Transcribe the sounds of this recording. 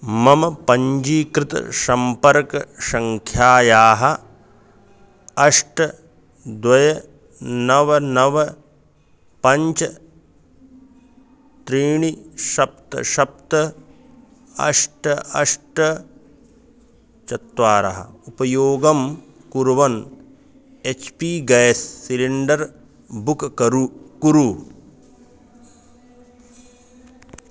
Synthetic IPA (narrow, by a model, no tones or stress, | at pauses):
mɐmɐpɐɲd͡ʒiːkɾɪt̪ɐ̰ʃɐmpɐɾkɐ̰ʃɐŋkʰjaːjaːɦɐ | ɐʂʈɐ | d̪wɐjɐ | nɐʋɐnɐʋɐ | pɐɲt͡ʃɐ | t̪ɾiːɳiʃɐp̚t̪ɐ̰ʃɐp̚t̪ɐ | ɐ̰ʂʈɐɐ̰ʂʈɐ | t͡ʃɐt̪ʋaːɾɐ̰ɦɐ̰upɐjoːɡɐm | kuɾɐʋɐn | et͡ʃʰpiːɡɐjsːiliɳɖɐɾ | bukkɐɾukuɾu